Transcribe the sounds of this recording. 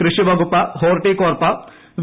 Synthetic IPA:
kɾɪʂiʋɐɡupɐɦoːɾʈikoːɾpɐ | ʋ

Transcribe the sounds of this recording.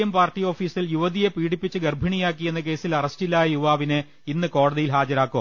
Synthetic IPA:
jɐmpaːrtijo̞ːfiːsiljuʋɐðije̞piːɽipːit͡ɕːɨɡerbʱiɳijaːk̬ːije̞nːɐke̞ːsilɐrɐstilːaːjɐjuʋaːʋinɨ | inːɨko̞ːɽɐðijilɦaːd͡ʑɐɾaːkːu

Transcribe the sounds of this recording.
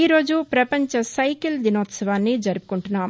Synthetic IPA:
iːɾoːd͡ʒupɾɐpɐɲt͡ʃɐsɐjkild̪inoːt̪sɐʋaːnːid͡ʒɐɾp̚kuɳʈunaːm

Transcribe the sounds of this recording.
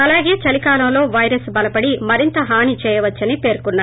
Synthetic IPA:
ɐlaːɡe̞ːt͡ʃɐlikaːlɐmlo̞ːʋɐjɾɐsbɐlɐpɐɽimɐɾint̪ɐɦaːnit͡ʃɛːjɐʋɐt͡ʃːɐnipe̞ːɾkunːaː

